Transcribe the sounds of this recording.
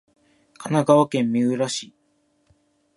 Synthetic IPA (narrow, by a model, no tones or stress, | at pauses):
kʰanaɡaβakẽ̞mːʲiɯ̟ɾaɕi